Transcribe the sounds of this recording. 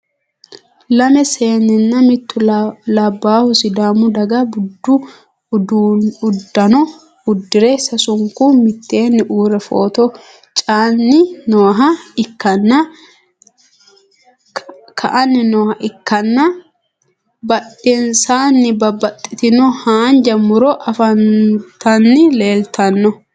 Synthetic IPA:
lɐmɛse̞ːnːɛnːɐmɪt̪ːʊlɐbːaːhʊsɪd̪aːmːʊd̪ɐɡɐbʊd̪ːʊ | ʊd̪ːɐnɔ | ʊd̪ːɪɾɛsɐsʊŋkʊmɪt̪ːe̞ːnːɪʔuːɾɛfoːt̪ɔ | t͡ʃʼaːnːɪnoːɦɐɪkːɐnːɐ | kʰɐʔɐnːɪnɔːhɐʔɪkːɐnːɐ | bɐt̪ʼːɪnsaːnːɪbɐbɐt̪ʼːɪ̥t̪ɪnɔhaːnd͡ʒɐmːʊɾɔʔɐfɐnt̪ɐnːɪle̞ːlt̪ɐnːɔ

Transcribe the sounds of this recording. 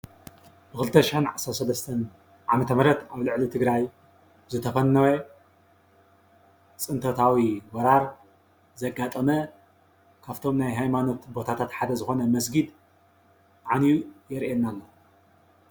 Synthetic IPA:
bɨxɨlɨt̪ʰːɐʃɪħɨnʕasɐɾsɐlɐst̪ʰɐn | ʕamɐt̪ʰɐmɐɾɐt̪aβlɨʕlit̪ʰɨɡɾaj | zɨt̪ʰɐfɐnːɐwe | t͡sʼɨnt̪ʰɐt̪ʰawiwɐɾaɾ | zɐɡat̪ʼɐmɐ | kʰaβt̪ʰomnajɦajmano̞t̪bo̞t̪ʰat̪ʰat̪ħad̪ɐzɨxo̞nɐmɐsɡid̪ | ʕanijujɛɾʔenːalːo

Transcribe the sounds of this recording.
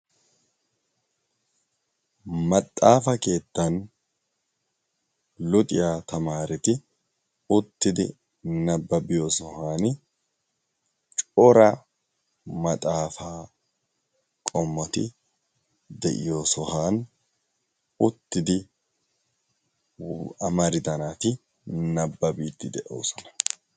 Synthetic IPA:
mɐt̪ʼːaːfɐke̞ːt̪ːɐn | lʊt̪ʼɪjaːt̪ʰɐmaːɾɪt̪ɪ | ʊt̪ːɪd̪ɪ | nɐbːɐbɪjoːsɔhaːn | t͡ʃʼɔɾɐ | mɐt̪ʼaːfaː | kʼɔmːɔt̪ɪ̰ | d̪ɛ̰ʔɪ̰jo̞ːsɔhaːn | ʊt̪ːɪd̪ɪ | ɐmɐɾɪd̪ɐnaːt̪ɪ | nɐbːɐbiːt̪ːɪd̪ɛʔo̰ːsɔnɐ̥

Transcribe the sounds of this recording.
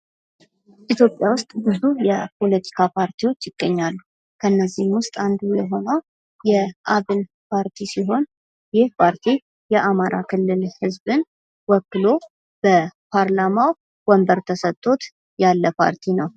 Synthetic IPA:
ʔit̪ʰjo̞pʼːjawʊst̪ʼbɨzujɛpʰo̞lət̪ʰi̥kʰapʰaɾt̪ʰiwo̞t͡ʃːjɪɡ̥ːəɲːalːu | kʰəɨnːəzːihmwʊst̪ʼand̪ujɛɦo̞nəw | jɛʔaβɨn | pʰaɾt̪ʰisiɦo̞n | jɪhpʰaɾt̪ʰi | jɛʔamaɾa̰kʰɨlːɨlhɨzbɨn | wɔkːɨlo̞ | b̥əpʰaɾlamaw | wɔmbəɾt̪ʰəsət̪ʼːo̞t̪ | jalːəpʰa̰ɾt̪ʰinəw

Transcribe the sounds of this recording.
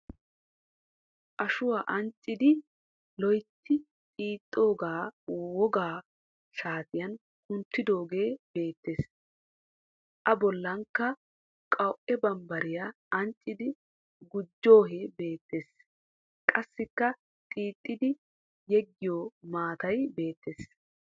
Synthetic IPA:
ʔɐʃʊwaːʔɐnt͡ʃʼːɪd̪ɪ | lɔjt̪ʰːɪ | t̪ʼiːt̪ʼːo̞ːɡaːwɔɡaː | ʃaːt̪ɪjɐn | kʊnt̪ːɪd̪o̞ːɡe̞ːbe̞ːt̪ːe̞ːs | ʔɐbɔlːɐŋkːɐ | kʼɐwʊʔɛbɐmbɐɾɪja | ɐnt͡ʃʼːɪd̪ɪ | ɡʊd͡ʒːo̞ːɦeːbe̞ːt̪ːeːs | kʼɐsːɪkːɐ | t̪ʼiːt̪ʼːɪd̪ɪ | jɛɡːɪjoːmaːt̪ɐjbe̞ːt̪ːeːs

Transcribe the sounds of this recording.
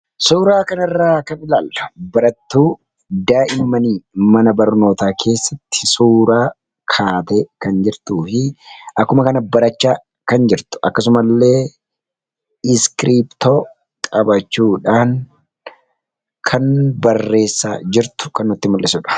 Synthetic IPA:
suːɾaːkɐnɐrːaːkɐnɪlaːlːɐbɐɾɐt̪ːuː | d̪aːʔɪmːɐniːmɐnɐbɐɾno̞ːt̪aːkʰe̞ːsːɐt̪ːɪ̥suːɾaː | kʰaːt̪ɛkɐnd͡ʒɪɾt̪uːfɪʔɐkːʊmɐkɐnɐbɐɾɐt͡ʃːaː | kɐnd͡ʒɪɾt̪ʊ̥ɐkːɐsʊmɐlːe̞ː | ɪskɾiːpt̪o | kʼɐbɐt͡ʃːuːᶑaːŋ | kʰɐnbɐrːe̞ːsːa̰ːd͡ʒɪɾt̪ʊ̥kɐnːʊt̪ːɪmʊlːʔɪsʊᶑɐ̥

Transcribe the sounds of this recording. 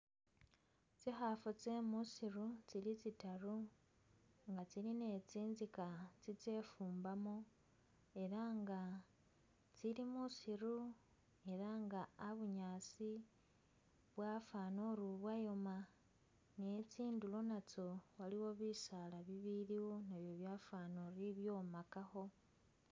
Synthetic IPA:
t͡sixafut͡se̞musirut͡silit͡sitaru | ŋɡat͡siline̞t͡siːnzikat͡sit͡se̞fuːmbamo | e̞ɾaŋɡa | t͡silimusiɾu | e̞ɾaŋɡaːβuɲaːt͡si | βwafanoɾuβwajo̞ma | net͡siːndulo̞nat͡so̞waliwo̞βisalaβiβiɾiwo̞naβjo̞βjafanoɾiβjo̞makaxo̞

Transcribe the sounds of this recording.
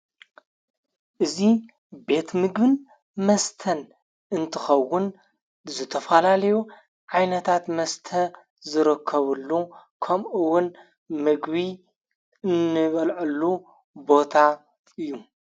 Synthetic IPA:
ʔɨzi | be̞t̪mɨɡbɨn | mɐst̪ʰɐn | ɨnt̪ʰɨxɐwːʊn | zɨt̪ʰɐfɐlalɐju | ʕajnɐt̪ʰat̪mɐst̪ʰɐ | zɨɾɨkʰːɐβɨlːukʰɐmʔɨwʊn | mɨɡβi | ɨnɨβɐlʕɨlːu | bo̞t̪ʰa | ɨjːu

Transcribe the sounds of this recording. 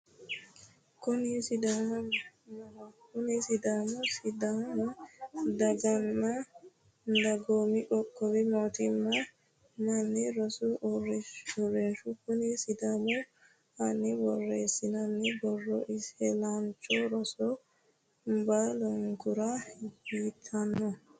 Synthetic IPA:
konisidammaakonisidamɔsidamɔdaɡanːa | ndaɡomiɗɔkːɔwɛmotimːa | manːɛɾɔsɔrɔrːɛnʃukʊnisɪd̪amɔ | anːibɔrːeːsːɪnɐnːɛbɔrːɔ̰ʔɪshɛlant͡ʃɔɾɔsɔ | mbalɔŋɡʊɾahiːt̪ʰɐnːɔ

